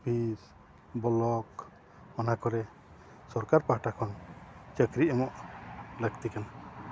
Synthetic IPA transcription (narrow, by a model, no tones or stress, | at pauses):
bʱis | bɔlɔk | ɔnakɔɾɛ | sɔɾkaɾpaʈakʰɔnt͡ʃəkɾiɛmɔʔləɡt̪ikana